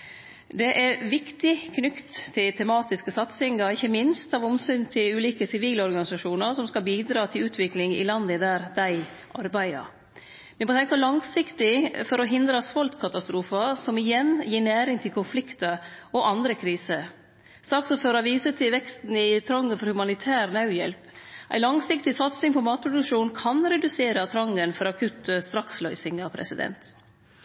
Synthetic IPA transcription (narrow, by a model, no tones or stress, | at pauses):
d̪ɛʔɛɾʋɪkt̪ɪkʰnʏkt̪ʰːɪlt̪ʰɛmɑːt̪ɪskəsɑt̪sɪŋɑɾɪçːəmɪnst̪ɑːʋʊmsʏnt̪ʰɪlʉːliːkəsɪʋiːlɔɾɡɑnɪsɑʂuːnəɾsɔmskɑlbiːd̪ɾɑːt̪ʰɪlʉːt̪ʰʋɪklɪŋɪ̰lɑnd̪əd̪æːɾd̪æɪ | ʔɑɾbæɪə̰ɾ | ʋɪmoːt̪ʰɛŋkəlɑŋsɪkt̪ɪfɔɾɔɦɪnd̪ɾəsʋɔlt̪kʰɑt̪ɑst̪ɾuːfəsɔmɪjɛnjiːɳæːɾɪŋt̪ʰɪlkʰʊnflɪkt̪əɔʔɑnd̪ɾəkʰɾiːsə | sɑːksɔmføɾɑʋiːsət̪ʰɪlʋɛkst̪n̩ɪt̪ʰɾɑŋːəfɔɾhʉmɑnɪt̪ʰæːɾnɑʉjɛ̰lpʔæ̰ɪlɑŋsɪkt̪ɪsɑt̪sɪŋpʰɔmɑːt̪̚pʰɾʊd̪ʉkʂuːnkʰɑnɾɛd̪ʉseːɾət̪ʰɾɑŋːənfɔɾɑkʰʉt̪st̪ɾɑkslœʏsɪŋɑpʰɾɛ̰sɪd̪ɛ̰nt̪